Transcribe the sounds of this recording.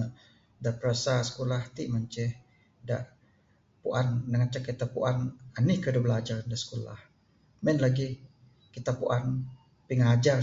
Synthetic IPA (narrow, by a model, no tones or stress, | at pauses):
dapəɾasasə̥kulaht̪iʔmaɲt͡ʃɛh | daʔ | puʔanːaŋat͡ʃakːit̪apuʔananihkədabəlad͡ʒaɾandasə̥kula̰h | mɛnlaɡi | kit̪apuʔan | piŋad͡ʒar